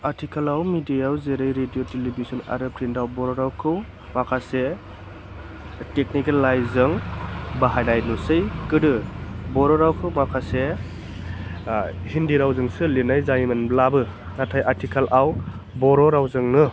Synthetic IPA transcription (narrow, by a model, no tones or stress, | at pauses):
aɾtʰikʰalawmidiawzeɾɯjɾedijotelibʱizɔna̰ɾɯpʰɾindawbɔɾɔɾawkʰɯw | makʰase | tek̚nikalːajzɯŋbaɦajdajnusɯjkɯdɯbɔɾɔɾawkʰɯwmakʰase | hindiɾawzɯŋsɯlinajzajmanblabɯ | natʰajʔaɾtʰikʰalʔaw | bɔɾɔɾawzɯŋnɯ